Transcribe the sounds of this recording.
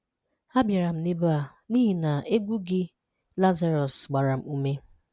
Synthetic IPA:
a˦bja˨ɾa˨m̩˦nɪ˦ba˨ | ni˦ɦi˨na˨e˦ɡʷu˦ɡɪ˦ | la˦za˦ɾɔ˨sɡ͡ba˨ɾa˨m̩˨u˦me˦

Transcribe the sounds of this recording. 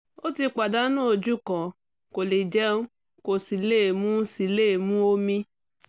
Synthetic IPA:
o˦ti˧k͡pa˨da˦no˦˨d͡ʒu˦kɔ̃˨ | ko˨li˨d͡ʒɛ˦ũ˦ | ko˨si˨leː˦˨mũ˦si˨leː˦˨mũ˦o˦mĩ˦

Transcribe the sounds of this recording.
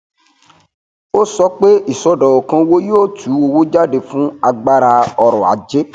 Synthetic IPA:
o˦sɔ˧˦k͡pe˦i˨sɔ˧dɔ˨ɔ˨kã˧wo˦jo˦˨tʰu˨˦o˧wo˦d͡ʒa˦de˧fũ˦a˧ɡ͡ba˦ɾa˧ɔ˧ɾɔ˨a̰˨˦d͡ʒe˦

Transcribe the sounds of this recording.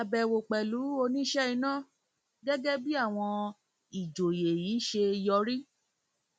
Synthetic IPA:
a˨˧bɛ˨wo˨k͡pɛ˨lu˨˦o˧nĩ˦ʃɛ˦i˧nã˦˨ | ɡɛ˦ɡɛ˦bi˦a˦˨w̃ɔ̃˧ | i˨d͡ʒo˨je˨jiː˨˦ʃe˧jɔ˧ɾi˦

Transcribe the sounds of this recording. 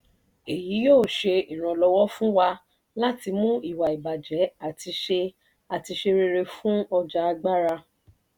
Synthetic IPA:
e˨ji˨˦joː˦˨ʃe˧i˨ɾ̃ã˧lɔ˧wɔ˦fũ˦wa˧ | la˦ti˧mũ˦i˦˨wa˨i˨ba˨d͡ʒɛ˨˦a˦˨ti˧ʃe˧ | a˨ti˧ʃe˧ɾe˧ɾe˧fũ˦ɔ˧d͡ʒa˧a˧ɡ͡ba˦ɾa˧

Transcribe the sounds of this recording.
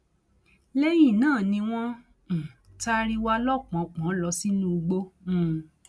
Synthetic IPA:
lɛ˦jĩ˦˨nãː˦˨nĩ˧w̃ɔ̃˦˨ | ta˦ɾi˦wa˦lɔ˦˨k͡pɔ̃˨˦˨k͡pã˨˦lɔ˧si˦nũ˦u˧ɡ͡bõ˧˦˨

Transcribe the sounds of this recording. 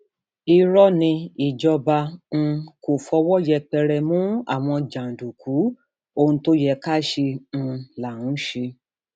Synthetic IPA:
i˧ɾɔ˦nĩ˧i˨d͡ʒɔ˧ba˧n̩˧ko˨fɔ˧wɔ˦jɛ˧k͡pɛ˧ɾɛ˧mũ˦a̰˦˨w̃ɔ̃˧d͡ʒã˨n̩˨du˨kʰu˨˦ | o˧ũ˧to˦jɛ˧ka˦˨ʃe˧n̩˧la˨ũ˨˦ʃe˧

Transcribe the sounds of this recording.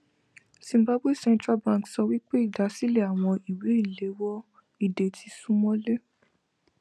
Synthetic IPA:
sĩ˨m˨ba˦be˦˨sɛ̃˧ntɾa˦bã˦˧˨ksɔ˧wi˦k͡pe˦i˦˨da˨˦si˦le˦˨a˨w̃ɔ̃˧i˨we˨˦i˦˨le˨˦wɔ˦ | i˨de˨tʰi˨˧sũ˦mɔ̃˦le˦

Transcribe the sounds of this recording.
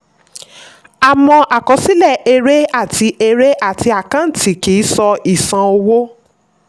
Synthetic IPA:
a˨mɔ̃˧ʔa˨kɔ˨˦si˦lɛ˦˨e˧ɾe˦a˦˨tʰi˧ʔe˧ɾe˦ʔa˦˨ti˧˦a˨kã˦n̩˨˦tʰi˨ki˨˦sɔ˧i˦˨sã˧o˧wo˦

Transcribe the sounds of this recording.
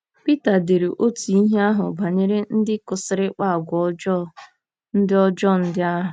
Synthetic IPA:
pi˦ta˨de˨ɾe˨ʔo˦ti˨i˦ɦe˦a˦ɦʊ̰˨ba˨ɲe˦ɾe˦n̩˦dɪ˦kʊ˨sɪ˨ɾɪ˦k͡pa˦˨ɡʷɔ˦d͡ʒɔ˦ | n̩˦dɪ˦ɔ˦d͡ʒɔ˦˨n̩˦dɪ˦a˦ɦʊ˨

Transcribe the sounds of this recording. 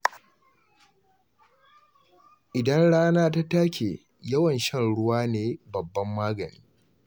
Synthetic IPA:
ʔɪ˨dɐ˦nɽaː˦naː˦ta˦taː˦kʲʰeː˨ | jɐ˦wɐ˨nʃɐ˦˨nɽʊ˦waː˦neː˦bɐ˨bːɐ˦mːaː˦ɡɐ˨niː˦

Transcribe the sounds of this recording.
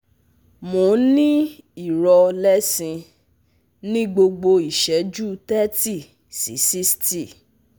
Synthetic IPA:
mõ˨˦nĩ˦i˦˨ɾɔ˧lɛ˦sĩ˧ | nĩ˦ɡ͡bo˧ɡ͡bo˧i˨ʃɛ˨˦d͡ʒu˦tɛ˦ti˦˨ | sḭ˨˦si˦sti˦˨

